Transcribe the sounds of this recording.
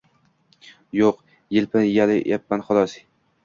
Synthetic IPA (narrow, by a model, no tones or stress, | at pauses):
joq | jɪlpʰɪjalɪ̰japːanχʊlˠɒs